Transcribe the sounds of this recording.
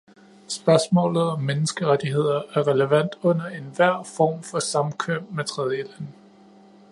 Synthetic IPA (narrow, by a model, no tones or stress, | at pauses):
sb̥ɶɐsmɔ̰̽ːlð̩ˠɒ̽mːenəsɡ̥əʁad̥iɦe̝ð̞̰ˠɐæɐʁɛləʋæn̰d̥ɔ̽n̰ɐe̝nʋæɐ̰fɒ̰ːmfɒ̽sɑ̈mkʰøbmet͡sʰʁɛð̞ˠjəlæn